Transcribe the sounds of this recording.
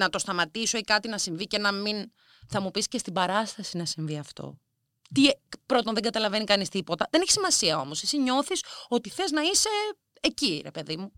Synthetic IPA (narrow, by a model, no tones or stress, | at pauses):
nɐt̪o̞st̪ɐmɐt̪isoikɐt̪inɐsiɱvice̞nɐmin | θɐmupiscest̪ibɐɾɐst̪ɐsinɐsiɱviɐft̪o̞̰ | t̪ipɾo̞t̪onðeɡɐt̪ɐlɐve̞nikɐnist̪ipo̞t̪ɐðeneçi̥simɐsiɐo̞mosesiɲo̞θiso̞t̪iθe̞znɐise̞ | eciɾe̞pe̞ðimu